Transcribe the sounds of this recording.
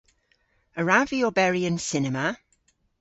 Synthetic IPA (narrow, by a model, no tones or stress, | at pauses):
əɹaviɔbɛɹiə̃nsɪnɛmə